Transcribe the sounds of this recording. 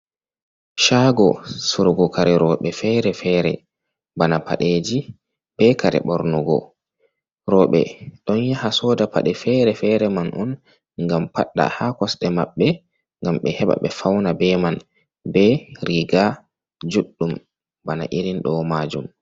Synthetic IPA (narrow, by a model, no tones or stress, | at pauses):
ʃaɡɔsuɾɡɔkʰaɾɛɾɔɓɛfɛɾɛfɛɾɛ̰ | banapʰa̰ɗeːd͡ʒi | b̥ɛkʰaɾɛ̰ɓɔɾnɔɡɔ̰ | ɾɔɓɛ̰ɗɔnjahasɔːdapʰa̰ɗɛfɛɾɛfɛɾɛmanʔɔn | ŋɡampaɗːa̰hakɔsɗɛmaɓːɛ | ŋɡamɓɛhɛɓa̰ɓɛfawnabɛman | bɛɾiɡa | d͡ʒuɗːum | bana̰ʔiɾinɗɔmad͡ʒum